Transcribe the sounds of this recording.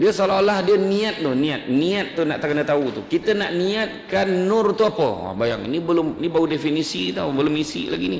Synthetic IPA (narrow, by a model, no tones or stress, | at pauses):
diəsalalahdiəniat̪̚nʊhniat̪̚niat̪̚ːuna̰ʔt̪akənət̪aut̪ukit̪ənaʔniat̪̚kanːʊrt̪uapə̰a̰baja̰ŋḭnibəlʊminibaudefinisit̪aubəlʊmisḭla̰ɡini